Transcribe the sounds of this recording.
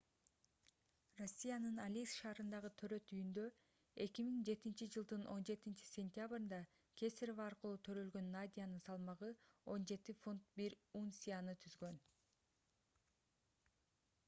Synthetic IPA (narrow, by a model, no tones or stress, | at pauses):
ro̞sʲːijanɯnalʲisʃɑːɾɯnd̪ɑʁɯt̪ʰøɾø̞t̪yjynd̪ø̞ | e̞kʲimiŋd͡ʒe̞t̪int͡ʃid͡ʒɯlˠd̪ɯnʔo̞̰nd͡ʒe̞t̪int͡ʃi̥sʲe̞nʲt̪ʲjabɾɯnd̪ɑ | kʲʰe̞sʲeɾovaːɾqɯlˠuːt̪ʰø̞ɾø̞lɡø̞nːad̪ʲijanɯnsɑlˠmɑʁɯo̞nd͡ʒe̞t̪ifunt̪̚biɾunsʲijanɯt̪ʰyzɡø̞n